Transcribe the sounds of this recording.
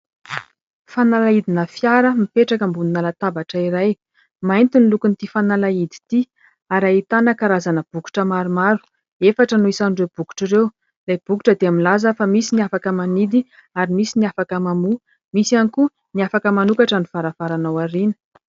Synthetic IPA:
fanalaid̪inafjaɾəmipeʈ͡ʂakəmbuninalat̪abaʈ͡ʂəiɾaj | majnt̪inilukunt̪ifanalaid̪i̥t̪i | aɾait̪anəkaɾazanəb̥uku̥ʈ͡ʂəmaɾumaɾu̥ | efaʈ͡ʂənuisanɖ͡ʐewb̥uku̥ʈ͡ʂiɾew | lajb̥uku̥ʈ͡ʂəd̪eamilazəfamisiniafakəmanid̪i | aɾimisiniafakəmamu | misianiku | niafakəmanukaʈ͡ʂənifaɾavaɾanawaɾinə̥

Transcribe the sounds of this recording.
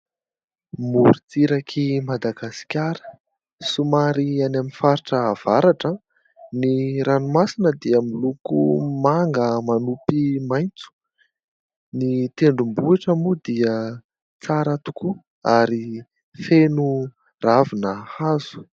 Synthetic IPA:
muɾut͡siɾakʰimad̪aɡasi̥kʲaɾə̥ | sumaɾianaminfaɾiʈ͡ʂəːv̥aɾaʈ͡ʂə | niɾanumasinəd̪iamilukṵmaŋɡəmanupimajnt͡su̥ | nit̪eɳɖ͡ʐumbueʈ͡ʂəmud̪iə | t͡saɾət̪u̥ku | aɾi | fenu | ravinəhazu̥

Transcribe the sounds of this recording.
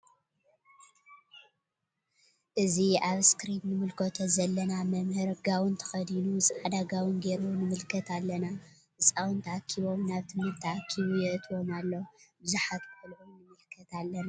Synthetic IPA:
ʔɨziʔaβskɾinnɨmɨlkʰot̪ʰɐzɐlːɐnamɐmhɨɾɡawɨnt̪ʰɐ̥xɐd̪inusʼʕad̪aɡawɨnɡeɾunɨmɨlkʰɐt̪ʰalːɐna | ʔɨt͡sʼawɨnt̪ʰɐʕakʰːiβo̞mnaβt̪ʰɨmhɨɾt̪ʰːɐʕakʰːiβujɛʔɨt̪ʰwo̞malːowbɨzuħat̪kɨfɨlʕomnɨmɨlkʰɐt̪alːɐna

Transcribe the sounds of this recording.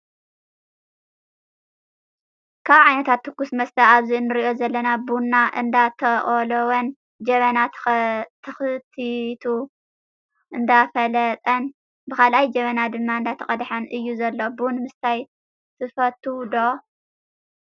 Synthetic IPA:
kʰaβʕajnɐt̪ʰat̪ʰːɨkːusmɐst̪ʰɐaβziɨnːɨɾiʔo̞zɐlːɐnabunːaʔɨ̰nd̪at̪ʰɐχʼolowɐn | d͡ʒɐβɐna | t̪ʰɐxɨt̪ʰit̪ʰu | ʔɨnd̪afɐlɐt̪ʼɐn | bɨkʰalʔajd͡ʒɐmɐnad̪ɨmːaɨnd̪at̪ʰɐχʼɐd̪ħɐnʔɨjːuzɐlːobunmɨst̪ʰaj | t̪ʰɨfɐt̪ʰːud̪o

